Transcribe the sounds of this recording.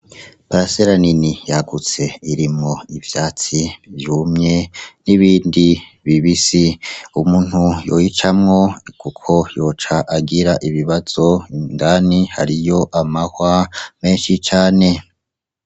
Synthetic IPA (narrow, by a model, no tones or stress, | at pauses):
paɾaseɾaninijaɡut͡se̞iɾimŋo̞ivjaːt͡sivjuːmɲe̞niβiːndi | βiβisiumuːn̥hujo̰jit͡ʃamŋo̞kukʰo̞jo̞ːt͡ʃaʔaɡiɾaʔiβiβaz̥o̞ŋɡaːnihaɾijo̞ʔamahwame̞ːnʃit͡ʃaːne̞